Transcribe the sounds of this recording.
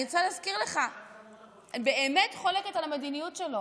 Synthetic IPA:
at͡saleazkiʁle̞χa | anbe̞ʔeme̞tχoleketalamed̪inijutʃelo̞

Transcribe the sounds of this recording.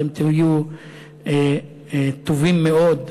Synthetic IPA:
emt̪iju | e | et̪ovimːeod̪

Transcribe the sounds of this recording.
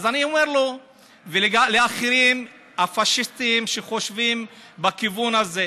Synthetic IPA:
zaniomeʁlo | veleɡaleaχiɾim | hafaʃist̪imʃeχo̞ʃvimbakivunaze

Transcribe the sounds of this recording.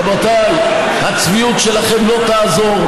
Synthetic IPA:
bot̪al | hat͡sviut̪ʃelaχemlo̞t̪aːzo̞ʁ

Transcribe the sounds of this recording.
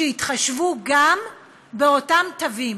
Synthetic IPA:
eitχaʃvuɡam | be̞o̞tamtavim

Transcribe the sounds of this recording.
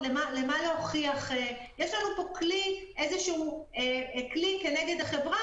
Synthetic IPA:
lemalemaleoχiaχe | jeʃlanupo̞kliʔe̞zeʃuueklike̞neɡe̞daχe̞vʁa

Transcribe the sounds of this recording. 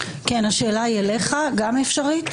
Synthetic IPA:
kenaʃe̞ːlaileχaɡamefʃaʁit̪

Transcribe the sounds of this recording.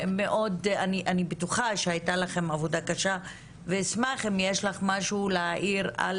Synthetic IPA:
meʔo̞daniʔanibetuχaʃeajtalaχe̞mavodakaʃa | vesmaχemjeʃlaχmaʃuleaʔiʁa̰l

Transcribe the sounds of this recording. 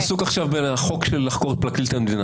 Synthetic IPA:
sukaχʃavbenχokʃelːaχkoʁtplaklilt̪amed̪ina

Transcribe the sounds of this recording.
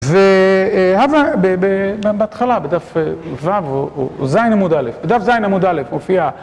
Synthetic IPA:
vehavabebebeat̪χalabed̪afevavoozajnhamud̪alefbed̪afzajnhamud̪alefmofia

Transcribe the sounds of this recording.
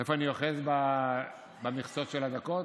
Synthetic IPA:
efoanioχezba | bamiχsotʃelad̪akot

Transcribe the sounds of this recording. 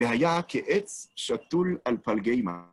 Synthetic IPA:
ehajakʰeʔet͡sʃat̪ulalpalɡejma

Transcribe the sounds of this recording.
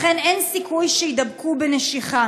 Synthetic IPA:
χenʔensikujʃejd̪ɐabkubeneʃiχa

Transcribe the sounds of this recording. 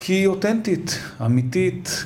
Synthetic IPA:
kʰiot̪ent̪it̪ | amit̪it̪

